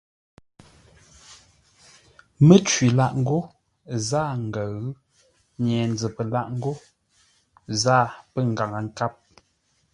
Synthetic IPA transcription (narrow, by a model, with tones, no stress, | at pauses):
mə˦˨t͡ʃɥi˨la˦ʔŋ̩˦ɡo˦ | zaː˦˨ŋ̩˨ɡə˨ɣ | ɲɛː˨n˦d͡zə˨pə˨la˦ʔŋ̩˦ɡo˦ | zaː˦˨pə˦ŋ̩˨ɡa˨ŋa˨ŋ̩˦ka˦p̚